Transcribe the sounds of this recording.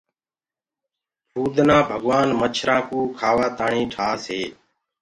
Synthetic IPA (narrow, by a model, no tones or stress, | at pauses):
bʰuːd̪ʱnãːbʱəɠʋaːnmət͡ʃʰɾãːkuːkʰaːʋaːt̪aːɳiːʈʰaːseː